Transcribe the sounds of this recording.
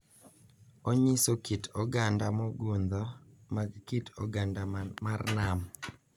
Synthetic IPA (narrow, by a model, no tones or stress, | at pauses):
oɲisokitɔɡandamɔɡund̪ɔmaɡkitʰɔ̰ɡandamarnam